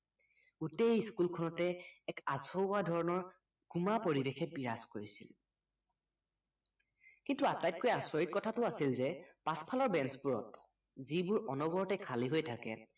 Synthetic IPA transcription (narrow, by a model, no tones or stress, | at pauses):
uteskulkʰɔnɔtɛːkazɔwadʱɔɹɔnɔɹ | ɡ̥umapoɹibexɛpiɹaskoɹisḭl | kintuatajt̚kojaswɔɹit̚kɔtʰatʊasilzɛpaspʰalɔɹbɛnspuɹɔ̰t | zibʊɹɔnɔbɔɹɔtɛkʰaliɦojtʰakɛ̰